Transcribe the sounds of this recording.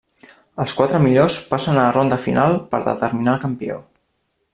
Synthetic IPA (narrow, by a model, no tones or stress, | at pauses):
əlˠskwat̪ɾəmiʎospasənərond̪əfḭnʔalˠpə̰ɾðə̰t̪əɾminalˠkəmpio̰